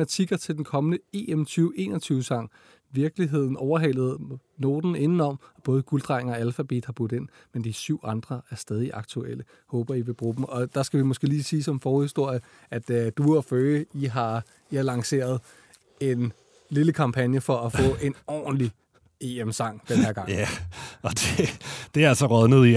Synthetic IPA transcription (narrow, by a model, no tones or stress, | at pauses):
ænt͡sʰiɡ̥ɐt͡sʰe̝ld̥enkʰɒ̽mənəe̝̰ːemt͡sʰyːʊʔe̝̰ːnɐt͡sʰyːʊsɑ̈ŋ̰ | ʋiɐɡ̥liɦe̝ð̞̰ˠn̩ɒʊɐɦel̰ð̞̩ˠno̝ːd̥n̩e̝nn̩ɒ̽m̰ɒb̥ɔːð̞ˠəɡ̥uld̥ʁɑɪŋːælfæb̥ḛːd̥hɑ̈b̥ud̥̩e̝n̰ | mend̥isyʊ̰ɑ̈nd̥ʁɐʔæɐsd̥ɛːð̞ˠiʔɑ̈ɡ̥̚t͡sʰuel̰ə | hɔ̽ːb̥ɐiʋe̝b̥ʁṵːb̥m̩ɒ̽d̥ɑ̈sɡ̥æʋimɔ̽sɡ̥e̝̰liːsiːsɒ̽mfɒʊhisd̥o̝ɐ̰jə | ʔæd̥d̥uɒføːəiɦɑ̈ | ihɑ̈lɑ̈ŋse̝̰ːɐð̞ˠ | e̝n | liləkʰɑ̈mpʰænjəfɒ̽ʔæfɔ̰̽ːʔe̝nɒ̰ːn̩li | e̝ːemsɑ̈ŋ̰d̥enæɐɡ̥ɑ̈ŋ | ɒd̥ed̥e̝æsɒʁœðˠnəð̩ˠi